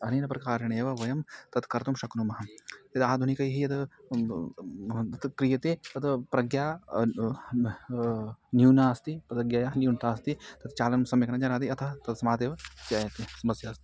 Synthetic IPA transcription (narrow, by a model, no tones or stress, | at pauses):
ɐniːnɐpɾɐkaːɾɐɳeːʋɐʋɐjɐmt̪ɐt̪kɐɾt̪umʃɐknumɐɦɐjɐd̪aːd̪ʱunikɐjɦijɐd̪ | t̪ɐt̪kɾijɐt̪et̪ɐt̪ʰpɾɐɡjaː | njuːnaːɐst̪ipɐt̪ɐɡjɐjaːɦnjunt̪ʰaːɐst̪it̪ɐt̪t͡ʃaːlɐnɐmsɐmjɐknɐd͡ʒɐnaːd̪iɐt̪ʰɐt̪ɐt̪sɐmaːt̪eːʋɐt͡ʃjaːjɐt̪isɐmɐsjaːst̪i̥